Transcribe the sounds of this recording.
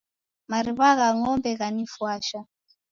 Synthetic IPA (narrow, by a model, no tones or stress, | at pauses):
maɾiβaɣaŋɔmbɛɣanifwaʃa